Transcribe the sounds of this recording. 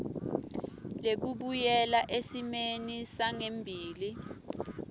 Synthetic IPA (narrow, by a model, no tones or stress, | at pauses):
lek̬uɓujɛlaʔesimenisaŋembʱiːli